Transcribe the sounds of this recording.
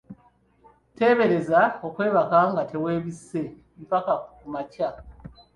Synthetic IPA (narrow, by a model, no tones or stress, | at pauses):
te̞ːβe̞ɾe̞zao̞kwe̞ːβakaŋɡatʰe̞we̞ːβisːe̞ | mipakakumaca